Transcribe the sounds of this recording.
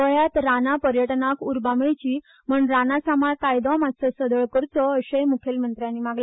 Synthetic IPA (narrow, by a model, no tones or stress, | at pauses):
əɭjat̪ɾanapəɾjəʈnakuɾbameɭt͡ɕiː | məɳɾanasamaɭkajd̪ɔ̃masəsəd̪əɭkəɾt͡sɔəɕejmukʰelmənt̪ɾjãnːiːmaɡla